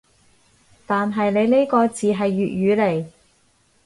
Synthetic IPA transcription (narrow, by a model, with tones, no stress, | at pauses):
t̪aː˨nɦɐ˨jne˨˧jne˥jkɔː˧t͡siː˨ɦɐ˨jːyː˨t̚jyː˨˧le˨˩j